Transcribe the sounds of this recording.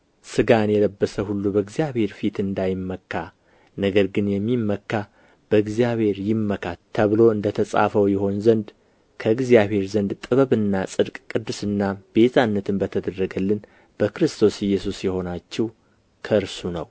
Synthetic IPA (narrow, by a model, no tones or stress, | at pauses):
sɨɡanjɛləbːəsəhulːubəɨɡzijaβhe̞ɾfit̪ɨnd̪ajɪmːəkːa | nəɡəɾɡɨnjɛmːimːəkːa | b̥əɨɡzijaβhe̞ɾjɪmːəkʰat̪ʰəβɨlo̞ɨnd̪ət̪ʰəsʼa̰fəwjɪho̞nzənd̪ | kʰəɡzijaβhe̞ɾzənd̪t̪ʼɨβəβɨnːasʼɨd̪kʼkʼːɨd̪ːɨsɨnːabe̞t̪ʰanːət̪ʰɨnbət̪ʰəd̪əɾɾəɡəlːɨn | b̥əkɾɨst̪ʰo̞sɪjːɛsusjɛho̞nat͡ʃːɛw | kʰəɾsunəw